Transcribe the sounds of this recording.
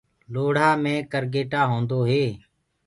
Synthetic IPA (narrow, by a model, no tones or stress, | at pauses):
loːɽ̤aːmẽːkəɾɡeːʈaːɦõːnd̪oːɦeː